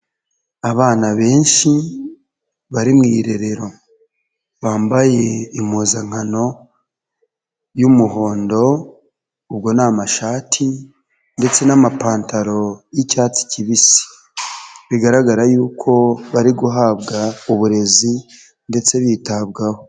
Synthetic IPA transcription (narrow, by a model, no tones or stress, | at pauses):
aβaːnaβe̞ːnʃi | βaɾimŋiːɾe̞ɾe̞ɾo̞ | βaːmbaje̞imuːzaŋ̥ano̞ | jumuɦo̞ːndo̞ | ubɡo̞namaʃaːtʰi | nde̞t͡se̞namapaːntaɾo̞jicaːt͡si̥ciβisi̥ | βiɡaɾaɡaɾajuːkʰo̞βaɾiɡuɦaːβɡauβuɾe̞zi | nde̞t͡se̞βiːtaβɡaho